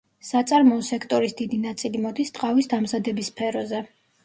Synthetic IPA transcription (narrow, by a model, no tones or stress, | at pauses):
sat̪sʼaɾmɔːsɛkʰt̪ʼɔɾisd̪id̪inat̪sʼilimɔd̪ist̪ʼqʼavisd̪amzad̪ɛbispʰɛɾɔzɛ